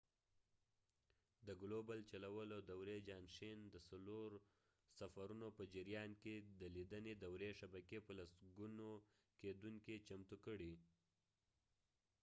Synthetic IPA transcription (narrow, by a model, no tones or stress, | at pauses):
d̪əɡlobalt͡ʃalawəlod̪awɾed͡ʒɑnʃend̪əsaloɾ | safaɾunopəd͡ʒɪɾjɑnked̪əlid̪əned̪awɾeʃabakepəlasɡuno | ked̪uŋkit͡ʃamt̪ukəɽi